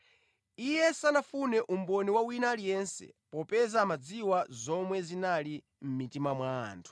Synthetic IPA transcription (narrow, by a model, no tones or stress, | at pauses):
ijɛsanafunɛʔum̩bɔniwawinaːlijɛnsɛ̰pɔpɛzamad͡ziwazɔmwɛzinali | m̩mitimamwa̰ːntʰu̥